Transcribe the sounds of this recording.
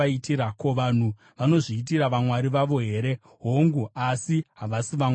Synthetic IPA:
aitiɾakoʋaːn̤u | ʋano̞ʐiːt̬iɾaʋamwaɾiʋaʋo̞ɦe̞ːɾe̞ | ɦoŋɡuasiɦaʋasiʋa

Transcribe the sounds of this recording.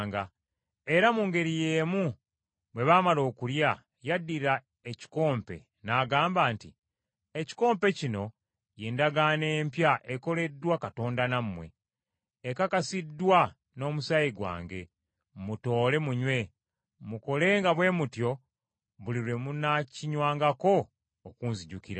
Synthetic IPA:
ŋɡa | e̞ɾamuːŋɡe̞ɾije̞ːmu | βwe̞βaːmalo̞ːkulja | jadːiɾa | eci̥ko̞ːmpe̞̰ | naːɡaːmbaːntḭ | eci̥ko̞ːmpe̞cino̞ | jeːndaɡane̞ːmpjaʔeko̞le̞dːwakato̞ːndanamːwe̞̰ː | kakasidːwa | no̞ːmusajiɡwa̰ːŋɡe̞ | muto̞ːle̞muɲwe̞ | muko̞le̞ːŋɡaβwe̞ːmutjo̞ | βuliɾwe̞munaciɲwaːŋɡako̞ː | kuːnziɟukiɾa̰

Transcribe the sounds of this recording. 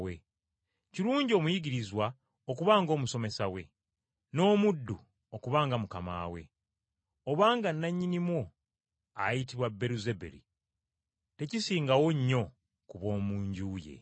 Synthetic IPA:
wḛ | ciɾuːɲɟio̞ːmujiɟiɾizwa | okuβaːŋɡo̞ːmuso̞me̞sawe̞ | no̞ːmudːu | okuβaːŋɡamukama̰ːwe̞̰ | oβaːŋɡanːaɲːinimwo | a̰jitiβwabːe̞ɾuzebḛɾḭ | te̞cisiːŋɡawo̞ɲːo̞ | kuβo̞ːmuːɲɟuːje̞̰

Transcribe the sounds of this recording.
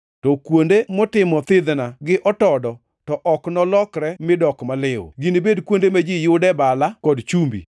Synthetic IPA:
tɔkwondemɔtɪmɔt̪ɪd̪naɡɪʔɔtɔdɔ | tɔʔɔknɔlɔkɾɛmɪdɔkmalɪw̰ɡinibedkwondemad͡ʒijʊdɛbalakɔdt͡ʃumbḭ

